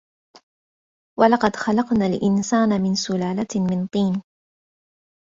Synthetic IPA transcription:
walɑqɑd̪xɑlɑqnaːlʔɪnsaːnamɪnsʊlaːlamɪnt̪ˤiːn

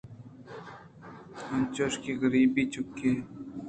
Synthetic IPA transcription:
ɐnt͡ʃoʃkiːɣəɾiːbiːt͡ʃʊkːeː

